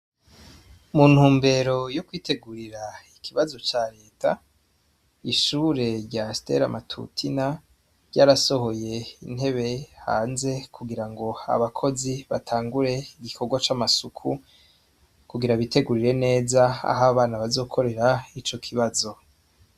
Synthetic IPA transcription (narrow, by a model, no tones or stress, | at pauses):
mun̥huːmbe̞ɾo̞jokwiːtʰe̞ɡuɾiɾaikʰiβazo̞t͡ʃaɾe̞ːtʰa̰ | iʃuːɾe̞ɾɟaste̞̰ɾa̰mʔatʰṵtʰina | ɾɟaːɾaso̞ho̞je̞in̥he̞βe̞ha̰ːnze̞kʰuɡiɾaŋɡo̞a̰βakʰo̞ziβatʰaːŋɡuɾe̞iɡikʰoɡwat͡ʃamasukʰu | kuɡiɾaβite̞ɡuɾiɾe̞ne̞ːzaa̰ɦaβaːnaβazo̞ːkʰo̞ɾe̞ɾait͡ʃo̞kʰiβazo̞